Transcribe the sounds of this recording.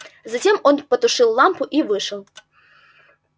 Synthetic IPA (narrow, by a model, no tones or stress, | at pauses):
zɐtʲemonpət̪ʊʂɨlˠːampʊʔivɨʂəlˠ